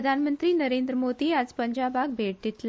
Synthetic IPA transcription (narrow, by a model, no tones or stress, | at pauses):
d̪ʱanmənt̪ɾiːnəɾend̪ɾəmod̪iːad͡zpəɲd͡ʑabak̚bʱeɽt̪it̪l